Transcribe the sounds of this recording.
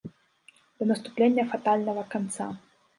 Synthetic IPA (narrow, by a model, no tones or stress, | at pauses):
d̪̥ɐnɐst̪uplʲenʲːɐfat̪alʲnɐvɐkant̪sa